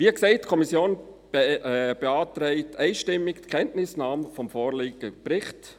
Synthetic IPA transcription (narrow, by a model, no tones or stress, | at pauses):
ʋiːəksɛɪt̚ːkʰɔmisjoːn | b̥eɑːt̪ɾɛɪtʰɛɪʃtɪmːɪktkʰɛntnɪsnɑːmfɔmfoːɾlɪːɡəpɾɪχt